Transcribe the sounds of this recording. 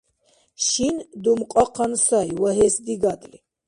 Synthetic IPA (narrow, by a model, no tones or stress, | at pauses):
ʃind̪umqʼɔqʰansajwaɦɛsd̪iɡad̪li